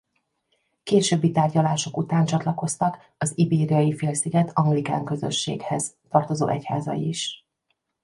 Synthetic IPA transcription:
keːʃøːbːit̪aːrɟɒlaːʃo̞kut̪aːnt͡ʃɒt̪lɒko̞st̪ɒk | ɒzibeːɾijɒjifeːlsiɡɛt̪ʰɒŋɡlika̰ːŋkø̞zø̞̰ʃːḛːɡhɛz̥t̪ɒrt̪o̞zo̰ːʔɛcha̰ːzɒ̰jḭiʃ

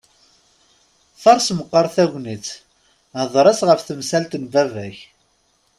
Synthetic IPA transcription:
θɑɾˤsməqːəɾˤθæʝʷnit͡s | həðˤɾˤæsʁəfθəmsælt̪nvævæç

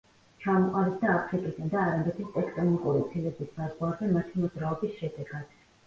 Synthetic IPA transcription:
t͡ʃʰamɔqʼaɾisd̪aːpʰɾikʼid̪and̪aːɾamdɛt̪ʰist̪ʼɛkʼt̪ʼɔnikʼuɾit̪sʰilɛbisbazʁwaɾzɛmat̪ʰimɔd̪zɾaɔbisʃɛd̪ɛɡad̪̥

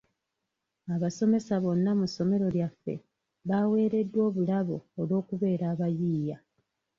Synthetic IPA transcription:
aβaso̞me̞saβo̞nːamuso̞me̞ɾo̞ljafːe̞̰ | βaːwe̞ːɾe̞dːwo̞ːβulaβoːlwo̞ːkuβe̞ːɾaːβajiːja

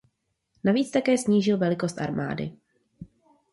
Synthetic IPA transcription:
naviːt͡st̪akɛːsɲiːʒɪlvɛlɪko̞st̪ʔa̰ɾma̰ːdɪ̰

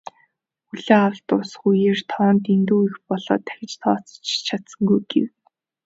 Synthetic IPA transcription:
xuɮeːawə̆ɬt̪ʊsxujeːr̥t̪ʰɔːnt̪int̪uːixpɔɮɔ̰ːt̪ʰæ̥xʲɪ̆t͡ɕt̪ʰɔːt͡sɞ̥̆t͡ɕt͡ɕʰat̪sə̆ŋɡujɡḛw

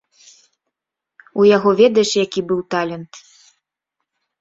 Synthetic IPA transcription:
ujaɣɔvʲɛd̪ɐjɛʂjakʲibɨwt̪alʲɛnt̪

